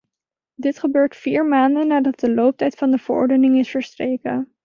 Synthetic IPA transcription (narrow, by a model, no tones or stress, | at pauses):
dɪtχəbøːɹtfiːɹmaːndənːaːdɑt̚dəlowp̚tɛjtfɑndəv̥əɹʔɔ̰ɹdənɪŋɪsfəɹstrejkə